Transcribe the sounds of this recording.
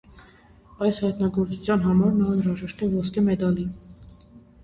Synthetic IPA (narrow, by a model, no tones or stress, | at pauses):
ɑjshɑt̪nɑɡɔɾt͡sut͡sʰjɑnɦɑmɑɾnɑənɾɑʒɛʃt̪ɛvɔskɛmɛd̪ɑli